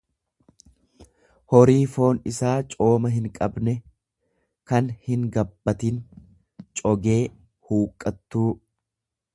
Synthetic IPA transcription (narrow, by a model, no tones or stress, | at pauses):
hɔɾiːfo̞ːnɪsaːt͡ʃʼo̞ːmɐɦɪŋkʼɐbnɛ | kɐnhɪŋɡɐbːɐt̪ɪn | t͡ʃʼɔɡe̞ː | huːkʼːɐt̪ːuː